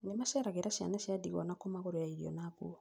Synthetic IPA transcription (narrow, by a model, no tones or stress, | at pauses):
nemasɛɾaɣɛɾasia̰nasiadiɣɔnakɔmaɣɔɾɔjaiɾiɔ̰naɡṵɔ